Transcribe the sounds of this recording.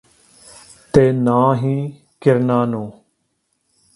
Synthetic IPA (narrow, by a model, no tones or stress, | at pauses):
t̪eːnãːɦiː | kɪɾnaːnõː